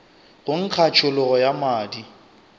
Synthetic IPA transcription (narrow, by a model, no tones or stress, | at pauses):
ɣʊŋ̩kʰat͡ʃʰʊlʊɣɔjamaːdi